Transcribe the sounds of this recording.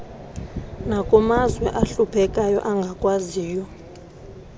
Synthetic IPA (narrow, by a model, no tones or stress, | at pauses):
nakʼɔmazwɛʔaɬupʰɛkʼajɔ̰ʔaŋɡʱakʼwaziːjɔ